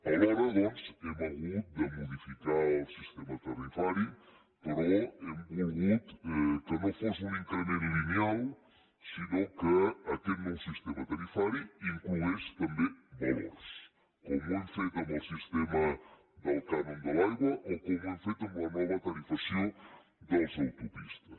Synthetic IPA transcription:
ɐɣɔɾɐðɔsɛmɐɣut̪̚d̪ɐmuðifikaɾsiʃt̪emɐt̪ɐɾifaɾju | pɨɾoɛũɣut̪ɛkɨnɐ̃w̃fosũĩŋk̪aneɾilimial | sinɐ̃w̃kɨɐt̪ẽnɐ̃siʃt̪emɐt̪ɐɾifaɾjuĩŋkluest̪ɐ̃mbẽj̃bɔwɐ̰s | komõj̃fejt̪ɐmɐwsiʃt̪emɐ | d̪ɐlkanõmd̪ɐlajɣwɐʔokõẽj̃fejt̪ɐũmɐnɔβɐt̪ɐɾifɐsɐ̃w̃ | d̪ɐwzawt̪opiʃt̪ɐ

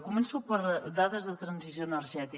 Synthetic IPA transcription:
kumənsupəɾd̪aðəzðət̪ɾənzizjonəɾʒɛt̪i

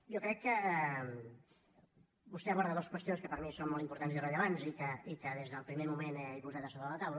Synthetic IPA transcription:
jɔkɾɛkːəɛm | bust̪ɛəβɔɾðəðoskwəst̪ionskəpəɾmisonmɔlˠtimpuɾt̪anzirəʎəβanzikəikəðezðəlˠpɾimemumenɛjpuzat̪əsoβɾələt̪awlə

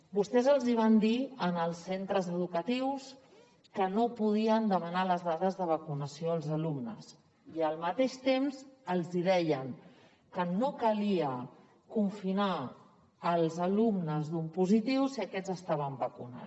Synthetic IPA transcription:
bust̪ɛzəlˠziβ̞and̪iənəlˠsːent̪ɾəzəðukət̪iws | kənopuðiənd̪əmənaləzðaðəzðəβ̞əkunəsioəlˠzəlumnəs | iəlˠmət̪eʃt̪emzəlˠziðɛjəŋ | kənokəliə | kuɱfina | əlˠzəlumnəzðumpuzit̪iwsiəkɛzəst̪aβ̞əmbəkuna̰

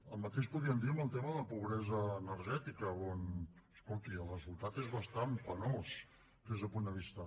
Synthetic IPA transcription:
əlˠmət̪eʃpuðiənd̪iəməlˠt̪eməðəpuβ̞ɾɛzəːnəɾʒɛt̪ikəonəskolˠt̪iələsulˠt̪at̪ezβəst̪ampənos | d̪ezðəlˠpund̪əβ̞ist̪ə

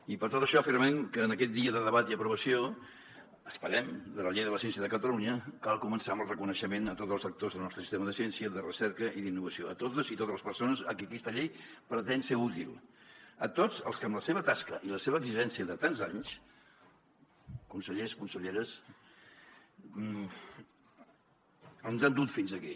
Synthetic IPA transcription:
ipəɾt̪ot̪əʃɔəfirmɛmkəːnəkɛt̪̚d̪iəðəðəβat̪iəpɾuβəsio | əspəɾɛmd̪ələʎejðələsjɛnsiəðəkət̪əluniəkalˠkumənsaməlˠrəkunəʃəmenət̪ot̪zəlˠzək̚t̪ozðəlˠnɔst̪ɾəsi̥st̪eməðəsiɛnsiəðərəsɛɾkəʔiðinːuβəsioət̪ot̪əzit̪ot̪ələspərsonəsə̰kiəkɛst̪əʎejpɾət̪ɛnseut̪ilˠət̪od͡zə̰lˠskəmləseβət̪askəʔiləseβəːɡziʒɛnsiəðət̪anzaɲs | kunsəʎeskunsəʎeɾəs | əlˠnzand̪ut̪finzəki

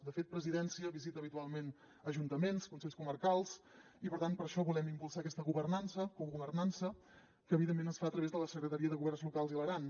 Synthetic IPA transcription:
d̪əfet̪̚pɾəziðɛnsiəβizit̪əːβit̪ualˠmen | əʒunt̪əmenskunseʎʲskuməɾkalˠs | ipəɾt̪anpəɾʃɔβulɛmimpulˠsaəkɛst̪əɣuβərnansəkuɣuβərnansə | kəːβiðemːenəsfaət̪ɾəβezðələsəkɾət̪əɾiəðəɣuβɛrnzlukalˠzilˠəɾan

